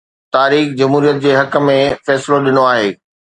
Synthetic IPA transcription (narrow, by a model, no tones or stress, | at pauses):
t̪aːɾiːxd͡ʑɐmɦuːɾijət̪̚d͡ʑeːɦɐk̆mẽfɛːsɪloɗɪnoaːɦeː